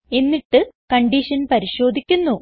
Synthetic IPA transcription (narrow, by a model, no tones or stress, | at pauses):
e̞nːiʈːɨkɐɳɖiʂɐnpɐɾiɕo̞ːd̪ʱikʲːunːu